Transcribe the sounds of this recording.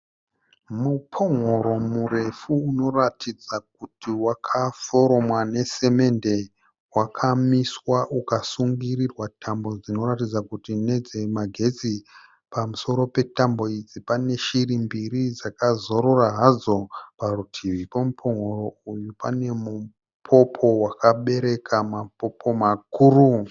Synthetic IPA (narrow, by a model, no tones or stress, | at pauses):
mupʰo̞ŋo̞ɾo̞mure̞fuːno̞ratid͡zak̚utiwakʰafo̞ɾo̞mwane̞se̞me̞nde̞ | wakʰamiswaʔukasuŋɡirirwatʰambo̞d͡zino̞ɾatid͡zakutine̞d͡ze̞maɡʱe̞t͡si | pamuso̞ɾo̞pe̞tambo̞id͡zipane̞ʃirimbiɾid͡zakazoɾoraɦazo̞parutʰiʋipomupʰoŋoroujupane̞mu | pʰo̞pʰo̞wakaɓe̞ɾe̞kʰamapo̞po̞makuɾu